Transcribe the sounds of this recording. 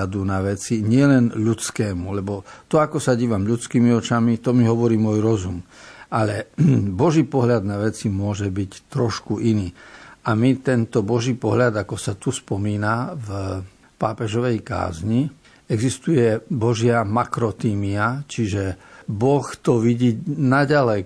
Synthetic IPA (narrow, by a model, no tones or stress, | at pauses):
ad̪unaʋɛt͡siɲɪɛlɛnʎut͡skɛːmulɛbɔt̪ɔakɔsaɟiːʋamʎut͡skiːmiɔt͡ʃamit̪ɔmiɦɔʋɔɾiːmʊɔjɾɔzumalɛbɔʒiːpɔɦʎad̪naʋɛt͡simʊɔʒɛbict̪ɾɔʃkuʔiniːamit̪ɛnt̪ɔbɔʒiːpɔɦʎad̪akɔsat̪uspɔmiːnav | paːpɛʒɔʋɛjka̰ːzɲi | ɛɡzist̪ujɛbɔʒɪamakɾɔt̪iːmiat͡ʃiʒɛbɔxt̪ɔʋiɟiːnaɟalɛj